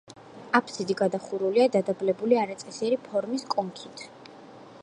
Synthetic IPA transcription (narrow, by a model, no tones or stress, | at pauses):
apʰsid̪iɡad̪aχuɾuliad̪ad̪ablɛbuliaɾat̪sʼɛsiɛɾipʰɔɾmiskʼɔŋkʰit̪ʰ